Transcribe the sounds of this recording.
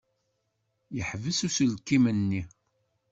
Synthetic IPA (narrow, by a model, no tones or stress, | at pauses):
jəħvəsusəlkːimənːi